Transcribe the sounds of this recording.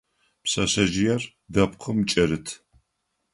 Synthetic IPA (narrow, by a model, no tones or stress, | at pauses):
psɐɕɐʒɪjɛr | dɐp̚qʰəmt͡ʃʼɐɾɨtʰ